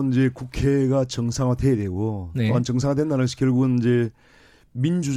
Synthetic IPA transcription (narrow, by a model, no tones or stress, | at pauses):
nind͡ʑe̞kukʰe̞ɡat͡ɕʌŋsʰaŋadwejadweɡoneoant͡ɕʌŋs̬ʰaŋadwe̞ndanɯnɡʌɕʰi̥kjʌɭɡuɡɯnid͡ʑe̞ | mind͡ʑu